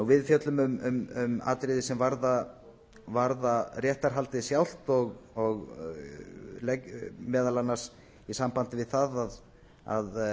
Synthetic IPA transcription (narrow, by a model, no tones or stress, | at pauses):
nuwvɪðfjœt̪lʏmʏmʏmʏma̰ːt̪ɾɪðɪsɛmvaɾða | vaɾðarjɛht̪aɾ̥ɦalt̪ɪsjawl̥t̪ɔɣɔɣ | lɛmɛːðalanːḁs | isampant̪ɪvɪðθaðað | a̰ð